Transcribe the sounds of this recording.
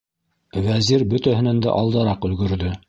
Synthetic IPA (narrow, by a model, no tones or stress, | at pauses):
wæziɾbɵ̆t̪æhɘ̆nænd̪æ̰ʔɑlˠd̪ɑɾɑqɵ̆lɡɵ̆ɾðɵ